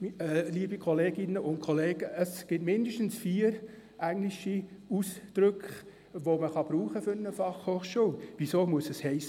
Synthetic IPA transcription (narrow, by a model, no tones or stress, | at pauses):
liːəbikʰɔleːɡ̥ɪnːəʊnt̚kʰoleːɡ̥əəsɡ̥ɪtmɪndəʃtn̩sfiːəɾ | ʔæŋlɪʃiusd̥ɾʏkχ | ʋoməχɑb̥ɾuːχəfʏɾnəfɑχhoːχʃuːlʋisoːmuəsəshɛɪs